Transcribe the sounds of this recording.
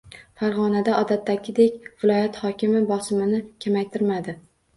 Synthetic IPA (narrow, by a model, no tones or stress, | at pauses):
faɾʁɒnad̪aɒd̪at̪ʰːakʲʰɪd̪e̞kʲvɪlˠɒjat̪hɒkʲɪmɪbɒsɪmɪnɪkʲʰamajt̪ʰɪɾmad̪ɪ